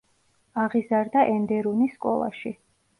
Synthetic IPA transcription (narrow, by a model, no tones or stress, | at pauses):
aʁizaɾd̪aʔɛnd̪ɛɾuniskʼɔ̰lˠa̰ʃi